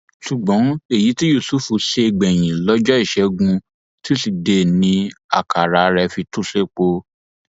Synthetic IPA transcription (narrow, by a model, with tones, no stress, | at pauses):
ʃu˨ɡ͡bɔ̃˨˦e˦˨ji˨˦ti˦ju˦˨su˦fu˨˧ʃe˧ɡ͡bɛ˨j̃ĩ˨lɔ˦d͡ʒɔ˦i˦˨ʃɛ˧˦ɡũ˧ | ti˦si˧˨de˧˦nĩ˧˦a̰˦˨ka˨ɾa˨ɾɛ˧fi˧tu˦se˦k͡po˧